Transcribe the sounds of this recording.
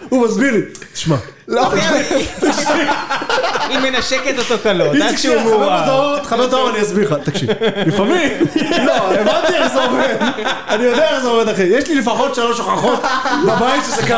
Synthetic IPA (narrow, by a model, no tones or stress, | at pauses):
umazbiʁlit̪i̥ʃma | lo | t̪akʃi | imːenaʃeket̪asokaloiʃimbet̪aoʁt̪χabet̪aoʁaniasbiχat̪akʃḭlifamimloevantt̪ieʃzeomed̪anijod̪eaʃezeomed̪aχejeʃlilifaχo̞t̪ʃeloʃoχaχot̪babajit̪ʃezeka